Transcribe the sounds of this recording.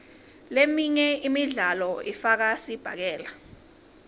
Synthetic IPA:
lemiɲɛimiɮalɔifak̬asib̥ʱak̬ɛːla

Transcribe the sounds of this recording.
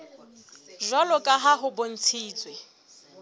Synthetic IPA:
ʒwalɔkʼaɦaɦʊbon̩t͡sʰiːt͡sʼwe

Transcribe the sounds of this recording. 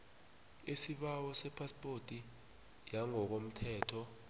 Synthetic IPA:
esiɓawɔsɛpʰaspʼortʼi | jaŋɔk̬om̩tʰɛːtʰɔ

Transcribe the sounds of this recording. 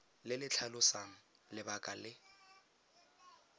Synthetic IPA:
lɪlɪt͡ɬʰalʊsaŋ̩lɪbakʼalɪ

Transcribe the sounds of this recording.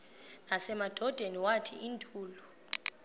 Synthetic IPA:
nasɛmad̥ʱɔd̥ʱeniwatʰḭʔintʰʼuːlu

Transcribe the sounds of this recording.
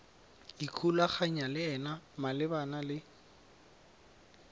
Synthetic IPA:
ikʰulaχaɲalɪɛnamalɪbanalɪ

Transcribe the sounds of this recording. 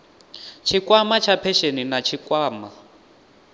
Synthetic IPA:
t͡ʃʰikwamat͡ʃʰapʰɛʃeninat͡ʃʰikʼwaːma

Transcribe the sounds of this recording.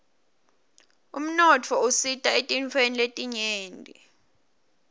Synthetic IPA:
um̩nɔt͡fʰɔusitʼaetʼint͡fʰweniletʼiɲeːndʱʼi

